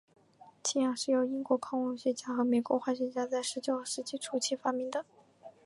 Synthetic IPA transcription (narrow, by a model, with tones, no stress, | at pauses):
t͡ɕʰi˥˩jɑ˨˩ŋʂɻ̩˥˩jo˧˩ʊi˥ŋkwɔ˧˥kʰɑ˥ŋwɑ˥˩ŋɕɥɛ˧˥t͡ɕja˥xɤ˧˥me˨˧˥ɪkwɔ˧˥xwa˥˩ɕ̬ɥɛ˧˥t͡ɕja˥t͡sa˥˩ɪʂɻ̩˧˥t͡ɕjo˥˧˩ʊ˥˩ʂɻ̩˥t͡ɕi˥˩ʈ͡ʂʰu˧˥t͡ɕʰi˥fa˥mi˧˥ŋd̪ə˦